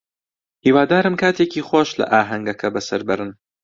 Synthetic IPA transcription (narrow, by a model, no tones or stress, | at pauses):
hiːwaːd̪aːɾɨmkʰaːt̪ʰeːciːχwaːʃlɐ̰ʔaːɦɐŋɡɐkʰɐbɐsɐɾbɐɾɨn